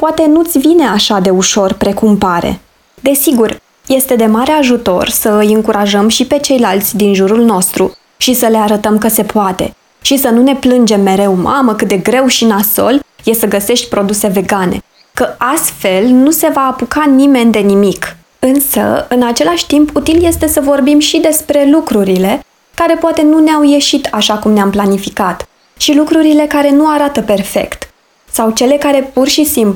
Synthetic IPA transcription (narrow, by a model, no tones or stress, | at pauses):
poat̪e̞nut̪sʲvine̞aʃad̪e̞uʃo̞rpɾe̞kumpaɾḛ | d̪e̞siɡur | je̞st̪e̞d̪e̞maɾe̞aʒut̪o̞̰rsəɨjɨŋkuɾaʒəmʃipe̞t͡ʃe̞jlalt̪sʲd̪inʒuɾulno̞st̪ɾu | ʃisəle̞aɾət̪əmkəse̞poat̪e̞̰ | ʃisənune̞plɨnd͡ʒe̞mːe̞ɾe̞wmʔaməkɨt̪̚d̪e̞ɡɾe̞wʃinaso̞̰lje̞səɡəse̞ʃt̪̚ʲpɾo̞d̪use̞ve̞ɡane̞̰ | kəast̪fe̞lnuse̞vaːpukanime̞nd̪e̞nimik | ɨnsə̰ɨnat͡ʃe̞laʃʲt̪imput̪ilje̞st̪e̞səvo̞rbimʃid̪e̞spɾe̞lukɾuɾile̞ | kaɾe̞poat̪e̞nuneawje̞ʃit̪ʰaʃakumneamplanifikat̪ | ʃilukɾuɾile̞kaɾe̞nuaɾat̪əpe̞rfe̞̰kt̪ | sawt͡ʃe̞le̞kaɾe̞purʃisimplu